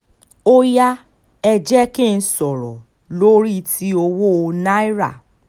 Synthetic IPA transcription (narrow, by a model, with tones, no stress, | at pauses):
o˦ja˦ | ɛ˧d͡ʒɛ˦kẽ˦˨n̩˦sɔ˨ɾɔ̰˨ | lo˦ɾi˦ti˦o˧wo˦o˧na˦i˦ɾa̰˦˨